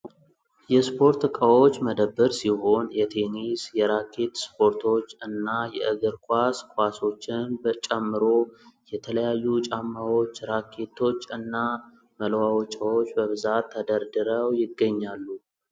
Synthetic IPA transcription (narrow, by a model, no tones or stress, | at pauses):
jɛspʰo̞ɾt̪kʼəwo̞t͡ʃːməd̪əbːəɾsiɦo̞njɛt̪ʰe̞nisjɛɾakʰːe̞t̪spʰo̞ɾt̪ʰo̞t͡ʃːɨnːajɛ̰ʔɨɡɨɾkʰʷaskʰwaso̞t͡ʃːɪnbət͡ʃʼɛmːɨɾo̞jɛt̪ʰələjajːut͡ʃʼamːawo̞t͡ʃːɾakʰːe̞t̪ʰo̞t͡ʃːɨnːa | məlwawot͡ʃʼəwo̞t͡ʃːbəβɨzat̪ʰːəd̪əɾd̪ɨɾəwjɪɡːəɲːalːu